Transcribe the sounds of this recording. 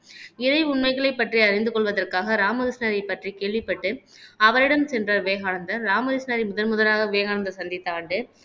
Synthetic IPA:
ɪɾɐɪʊɳmɐɪɣɐɭɐɪpːɐʈriɐɾɪnd̪ɯkɔɭʋɐðɐrkaːɣɐɾaːmɐðɯsnɐːɾɐɪpːɐʈrikeːɭʋɪpːɐʈːɯɐʋɐɾɪɽɐmsɛndraːɾʋeːɣaːɳɐnd̪ɐɾaːmɐðɯsnɐːɾimʊðɐlmʊðɐnaːɣɐʋeːɣaːɳɐnd̪ɐsɐnd̪ɪt̪ːaːɳɖɯ

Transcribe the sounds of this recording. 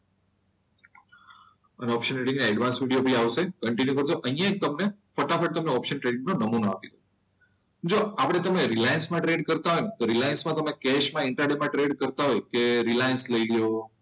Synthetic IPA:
əneɔpʃənʈɾeɖĩŋɡneɛɖʋansʋiɽijobʱiaʋʃekəɳʈinjukəɾd͡ʒʰoʔə̃ɦijaek̚t̪əmnefəʈafəʈ̚t̪əmneɔpʃənʈɾeɖĩŋɡnonəmunoapid̪o | d͡ʒoapɽ̃et̪əmeɾilajənsmãʈɾeɖkəɾt̪aɦojnet̪oɾilajənsmãt̪əmekɛʃmãɪɳʈaɖemãʈɾeɖkəɾt̪aɦojkeɾilajənsləiɡjo

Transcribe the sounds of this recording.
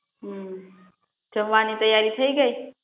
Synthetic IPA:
ɦ | d͡ʒəɦʋanit̪əjaɾit̪ʰəiɡəi

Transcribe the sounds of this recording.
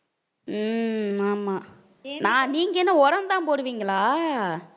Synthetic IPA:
aːmaː | nãːniːŋɡɐɛnːɐɔɾɐnd̪ãːmpoːɽɯʋiːŋɡɐɭaː

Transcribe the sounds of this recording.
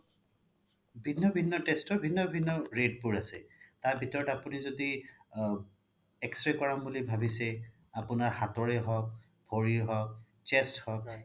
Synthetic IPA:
bʱinːɔbʱinːɔtestɔɹbʱinːɔbʱinːɔɹed̚puɹasɛ̰taɹbʱitɔɹɔtapunizodi | ɛkstɹɛkɔɹambulibʱabisɛ | apʊnaɹhatɔɹɛɦɔk̚ | bʱoɹiɹɦɔk̚ | t͡ʃesthɔk̚

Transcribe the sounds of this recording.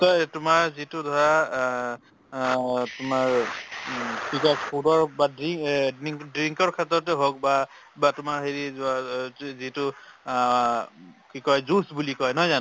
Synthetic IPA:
tɔjtʊmaɹzitʊdʱɔɹa | tʊmaɹ | tʰikaspudɔɹbadɹiŋdiŋkdɹiŋkɔɹkʰatɔtɛɦok̚ba | batʊmaɹɦeɹizʊazitʊ | kikɔjzusbulikɔjnɔɦɔjzan

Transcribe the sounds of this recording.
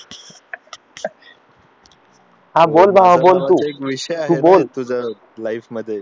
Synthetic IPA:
hãbolbʱabolt̪uːekʋiɕəaɦ̪ubolt̪ud͡ʑa | lajfməd̪ʱːje

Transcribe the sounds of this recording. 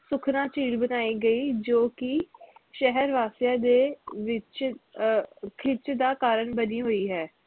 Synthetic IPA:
sʊkʰnãːt͡ʃiːlbənaːiːɡəiːd͡ʒoːkɪʃɛɦəɾʋaːsɪjaːd̪eːʋɪt͡ʃ | kʰɪt͡ʃd̪aːkaːɾəɳbəniːɦoːiːɦɛː

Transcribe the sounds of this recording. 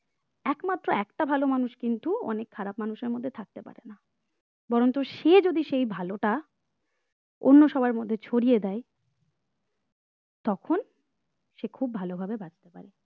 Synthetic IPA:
ɛkmat̪ːɾoɛkʈabʱalomanuʃkint̪uɔ̰nekʰːaɾapmanuʃeɾmod̪ʱːet̪ʰak̚t̪epa̰ɾena | bɔɾont̪oʃed͡ʑod̪iʃejbʱaloʈa | o̰nːoʃɔbaeɾmod̪ʱːet͡ɕʰoɾijed̪ɛej | t̪ɔkʰon | ʃekʰubːʱalobʱabebad͡ʑt̪epa̰ɾe

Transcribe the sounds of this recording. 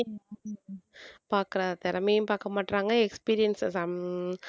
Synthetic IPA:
paːɾkɯɾat̪ɛɾɐmɐjʊ̃mpaːɾkɐmaːʈːɾaːŋɡɐɛkspiːɾɪjɐnsɛsam

